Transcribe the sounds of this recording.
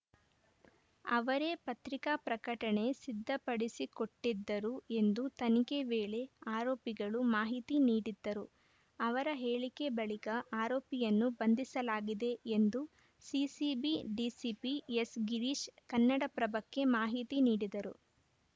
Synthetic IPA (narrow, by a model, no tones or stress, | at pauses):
ɐʋɐɾe̞pɐt̪ɾikapɾɐkɐʈɐɳe̞sid̪ʱːɐpɐɽisiko̞ʈːid̪ːɐɾue̞nd̪ut̪ɐnike̞ʋeːɭe̞aːɾoːpiɡɐɭumaːɦit̪iniːɽid̪ːɐɾu | ɐʋɐɾɐɦe̞ːɭike̞bɐɭikɐʔaːɾoːpijɐnːubɐnd̪isɐlaːɡid̪e̞end̪u | sisibiɖiːsipiesɡiɾiːʃkɐnːɐɽɐpɾɐbɐkːe̞maːɦit̪iniːɽid̪ɐɾṵ